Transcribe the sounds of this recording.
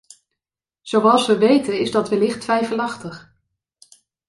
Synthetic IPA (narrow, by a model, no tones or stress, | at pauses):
z̥owɑlˠsʋəʋejtənɪzdɑtʋəlɪχtʋɛjfəlɑχtəχ